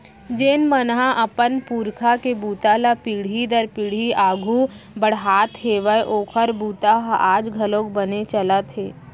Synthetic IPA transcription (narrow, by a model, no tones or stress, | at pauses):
d͡ʒeːnmənɦãʔəpənpuːɾkʰakebuːt̪alapiːɽ̤id̪əɾpiːɽ̤iʔaːɡʱubəɽ̤ɦaːt̪ɦeːʋəeʔoːkʰəɾbuːt̪aɦaːd͡ʒɡʱəlõːkbənet͡ʃəlat̪ʰeː